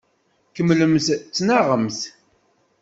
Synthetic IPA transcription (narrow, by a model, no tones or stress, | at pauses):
kəmːləmθt͡sːnaʁəmθ